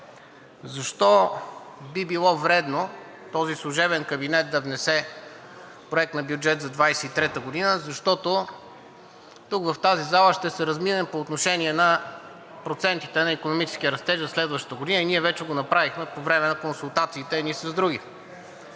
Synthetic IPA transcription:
zɐʃt̪ɔ | bibilˠɔvɾɛd̪no | t̪ɔzislˠuʒɛβɛnkɐbinɛt̪̚d̪ɐvnɛsɛ | pɾoɛk̚t̪nɐbjʊd͡ʒɛt̪zɐd̪vajsɛit̪ɾɛt̪əɡod̪inəzɐʃt̪ɔt̪o | t̪ukvɐft̪azizalˠəʃt̪ɛsɛɾɐzminɛmpoːt̪noʃɛniɛnɐ | pɾot̪sɛnt̪it̪ɛnɐikonomit͡ʃɛ̥sk̟iəɾɐst̪ɛʒzɐslɛd̪vəʃt̪ə̥t̪əɡod̪inəiniɛvɛt͡ʃɛɡonɐpɾavixmɛpovɾɛmɛnɐkonsulˠt̪at̪siːt̪ɛnisɐzd̪ɾuɡ̟i

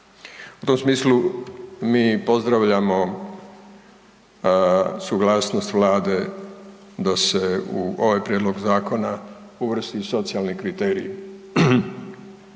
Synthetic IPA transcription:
ut̪o̞msmiːslumiːpo̞zd̪ɾaʋʎamo̞ | suɡlaːsnost̪ʋlaːd̪e̞ | d̪ase̞uo̞ʋajpɾjed̪lo̞ɡzaːko̞na | uʋr̩st̪iso̞t̪sialnikɾit̪e̞ːɾḭ

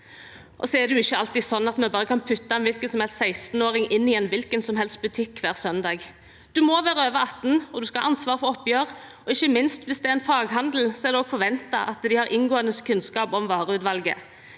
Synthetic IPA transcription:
ʔɔ̰sɔɛd̪ʉɪçːəɑlt̪iːsɔnːɑt̪mɛbɑːʁəkʰɑnpʰʉt̪ːɑɛnʋɪlkənsɔmhɛlst̪sæɪst̪n̩oːɾɪŋɪnːɪɛnʋɪlkənsɔmɦɛlst̪̚bʉt̪ʰɪkːʋæːʁsœnd̪ɑːɡ | d̪̥ʉmɔʋæːɾəøːʋəɑt̪ːn̩ɔd̪ʉskɑʔɑnsʋɑːʁfɔɾɔpːjøːɾɔɪçːəmɪnst̪ʋɪsd̪ɛæɾɛnfɑːɡɦɑnd̪l̩sɔɛɾd̪ɛɔːɡfɔɾʋɛnt̪ɑ̰ʔɑt̪d̪ɪhɑɾʔɪnɡoːənəskʰʉnskɑːpɔmʋɑːɾəʉːt̪ʋɑlɡə̰

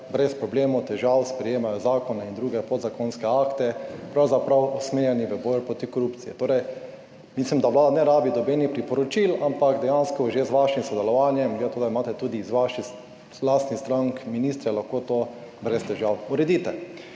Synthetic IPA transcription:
bɾɛspɾɔbleːmɔwt̪ɛʒawspɾɛjeːmajɔzaːkɔnaind̪ɾuːɡɛpod̪zakonskɛaːkt̪ɛpɾawzapɾawusmeːɾjɛniʋəbɔjpɾot̪ikoɾupt̪sijɛ̰t̪oːɾɛj | mislimd̪aʋlaːd̪anɛɾaːbid̪ɔbeːnixpɾipɔɾɔt͡ʃilampakd̪ɛjanskɔʒezʋaʃimsɔd̪ɛlɔʋanjɛmɡlet̪oːd̪aimaːt̪ɛt̪uːd̪iːzʋaʃi | last̪nist̪ɾaŋkminist̪ɾɛlaxkot̪obɾɛst̪ɛʒawuɾɛd̪iːt̪ɛ

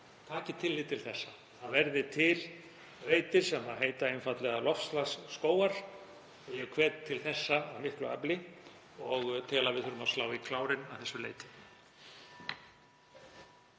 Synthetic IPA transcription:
t̪ʰaːcɪt̪ʰɪlːɪt̪ʰɪlθɛsːa | θaðvɛɾðɪt̪ʰɪl | veːjt̪ɪɾ̥sɛmaðɦeːjt̪aejnfat̪lɛɣalɔfslasːkoːwaɾ̥ | jɛkʰvɛːt̪t̪ʰːɪlθɛsːaawmɪhklʏa̰plɪ | ɔɣt̪ʰɪlaðvɪðθʏɾʏmaslaːwikʰlaːwɾɪnaθɛsːʏlḛːjt̪ɪ̥

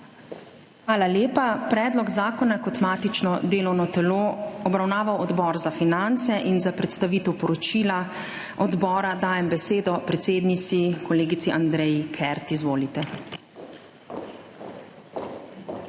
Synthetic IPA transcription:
xʋaːlaljeːpapɾɛːd̪lɔɡzaːkɔnakɔt̪maːt̪it͡ʃnɔd̪eːlɔwnɔt̪ɛloːɔbɾawnaːʋawɔd̪bɔɾzafinant̪sɛʔinzapɾɛt̪st̪aʋiːt̪ɛwpɔɾɔt͡ʃiːla | ɔd̪bɔːɾad̪aːjɛmbɛseːd̪ɔpɾɛt̪seːd̪nit̪sikɔleːɡit̪siʔand̪ɾɛjikʰɛɾt̪izʋoːlit̪ɛ

